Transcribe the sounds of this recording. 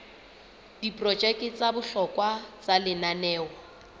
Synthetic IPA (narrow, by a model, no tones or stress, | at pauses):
d̥ipʼrɔd͡ʒɛkʼɪt͡sʼabʊɬɔkʼwat͡salɪnanɛːwa